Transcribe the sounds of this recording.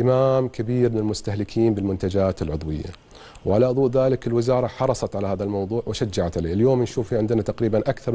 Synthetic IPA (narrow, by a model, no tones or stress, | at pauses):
ɪmaːmkabiːɾmɪnɪlmʊst̪ahlɪkʰiːnbɪlmʊnt̪ad͡ʒaːt̪ɪlʕʊd̪ˤwɪ̰jːa̰ | wʕalaʔʊðˤuːʔðaːlɪkɪlwɪzɑːɾˤɑħɑɾˤɑsˤɑt̪ʕalahaːðalmɑwðˤuːʕwɪʃad͡ʒːaʕat̪ʕalḛːɪljoːmnʃuːfiʕɪnd̪ɪnat̪aqɾiːbanʔakθɑɾˤ